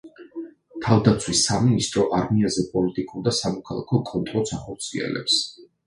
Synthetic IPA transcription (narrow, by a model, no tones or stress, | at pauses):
t̪ʰavd̪at̪sʰwisːaminist̪ʼɾɔʔaɾmiazɛpʼɔlit̪ʼikʼuɾd̪asamɔkʰalˠa̰kʰɔkʼɔnt̪ʼɾɔsʰaχɔɾt̪sʰiɛ̰lɛ̰ps